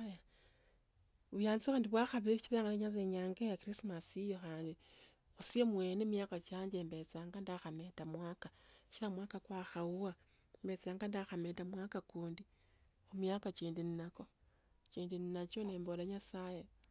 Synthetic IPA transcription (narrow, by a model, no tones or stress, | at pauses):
ja | βujaːnt͡sixaːndiβwaxaβit͡ʃiβaŋɡaneɲat͡s̬eɲaːŋɡejakɾismasijoxaːndi | xusiamweːnemjakat͡ʃaːɲd͡ʒembe̞t͡saːŋɡandaxame̞tamwaːkaʃilamwaːkakwaxauwa | mbe̞t͡saːŋɡandaxametamwakakuːndi | xumjakat͡ʃiːndininako̞ | t͡ʃiːndininat͡ʃoneːmbolaɲasaje